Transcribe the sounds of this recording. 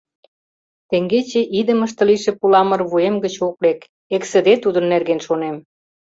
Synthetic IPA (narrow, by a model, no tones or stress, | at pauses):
t̪eŋɡet͡ɕeʔid̪əməʃt̪ə̆liʃĕpulɑmə̆rβuemɡət͡ɕoklek | eksə̆d̪et̪ud̪ənːerɣenʃonem